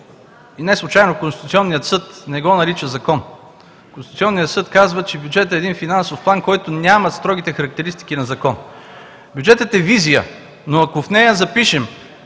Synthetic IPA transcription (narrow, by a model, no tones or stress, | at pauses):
inɛslˠut͡ʃajnokonsit̪ut̪siɔnːijət̪sɤt̪nɛɡɔnɐɾit͡ʃəzɐkɔn | konsusʲɔnːijət̪sɤt̪kazvət͡ʃɛbjud͡ʒɛt̪ɛːd̪infinansofplˠankɔjt̪onʲamɐst̪ɾɔɡ̟it̪ɛxɐɾɐk̚t̪ɛɾist̪i̥k̟inɐzɐkɔn | bʲjud͡ʒɛt̪ət̪ɛvizijə | noɐkofnɛjɐzɐpiʃɛm